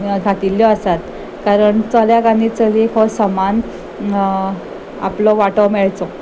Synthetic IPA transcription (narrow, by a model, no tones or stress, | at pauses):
ɡʱat̪iljɔəsat̪ | kaɾəɳt͡sɔljakanit͡səlikʰɔsəman | a̰plɔʋaʈəmɛɭt͡sɔ